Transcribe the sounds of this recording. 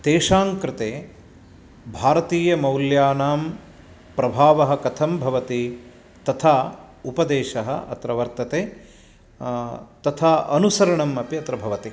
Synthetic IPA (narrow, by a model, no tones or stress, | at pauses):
t̪eːʂaːŋkɾɪt̪eː | bʱaːɾɐt̪iːjɐmɐwljaːnaːm | pɾɐbʱaːʋɐɦɐ̆kɐt̪ʰɐmbʱɐʋɐt̪i | t̪ɐt̪ʰaː | upɐd̪eːʃɐɦɐ̰ʔɐ̰t̪ɾɐʋɐɾt̪ɐt̪eː | t̪ɐt̪ʰaːʔɐnusɐɾɐɳɐmɐpiɐt̪ɾɐbʱɐʋɐt̪i